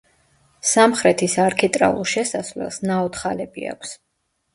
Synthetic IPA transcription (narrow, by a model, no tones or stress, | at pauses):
samχɾɛt̪ʰisaɾkʰit̪ʼɾa̰ṵlˠʃɛsasvlɛ̰lˠsnaɔt̪χalɛbḭa̰kʷʰs